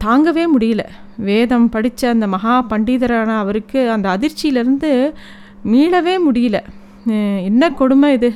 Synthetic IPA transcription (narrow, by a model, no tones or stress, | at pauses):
t̪aːŋɡɐʋeːmʊɽɪjɪlɐ̰ | ʋeːðɐmpɐɽɪt͡ʃːɐːnd̪ɐmɐɦaːpɐɳɖiːðɐɾaːnɐːʋɐɾɯkːɯɐnd̪ɐːðɪɾt͡ʃːɪjɪlɪɾɯnd̪ɯ | miːɭɐʋeːmʊɽɪjɪlɐ | ɛnːɐkɔɽɯmɐɪðɯ